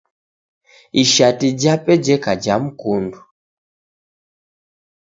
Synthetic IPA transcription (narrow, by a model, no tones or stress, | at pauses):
iʃatid͡ʒapɛd͡ʒɛkad͡ʒam̩kundu